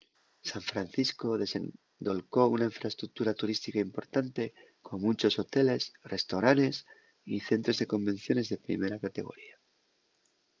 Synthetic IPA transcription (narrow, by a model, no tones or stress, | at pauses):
saɱfɾanθisko̞ðe̞se̞̰n | d̪o̞lko̞unaiɱfɾaest̪ɾuk̚t̪uɾat̪uɾist̪ikaimpo̞ɾt̪ant̪e̞ | ko̞munt͡ʃo̞so̞t̪e̞le̞sre̞st̪oɾane̞s | iθe̞nt̪ɾo̞zðe̞ko̞mbẽ̞n̟θjo̞ne̞zðe̞pɾḭme̞ɾakat̪e̞ɣ̞o̞̰ɾia